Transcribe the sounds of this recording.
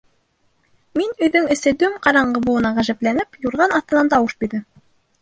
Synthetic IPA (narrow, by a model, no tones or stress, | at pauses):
minɵ̆jðɵŋɘ̆sɘd̪ʉmqɑɾɑɴɢɤ̆buɤ̆nɑʁæʒæplænɘpjuɾʁɑnɑθt̪ːɤ̆nɑnt̪ɑwɤʃbiɾdɘm